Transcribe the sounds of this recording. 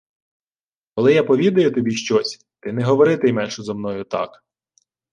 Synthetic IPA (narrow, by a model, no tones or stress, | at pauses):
kɔlˠɪjapɔʋʲid̪ɐjʊt̪ɔbʲiʃt͡ʃɔsʲ | t̪ɪnɛɦɔʋɔɾɪt̪ɪjmɛnʲʃɛzɐmnɔjʊt̪ɑ̰k